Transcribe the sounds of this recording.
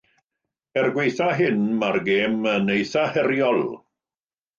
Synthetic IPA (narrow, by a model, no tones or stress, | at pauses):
ɛrɡwejθaɦɪnmarɡeːmənejθahɛɾjɔlˠ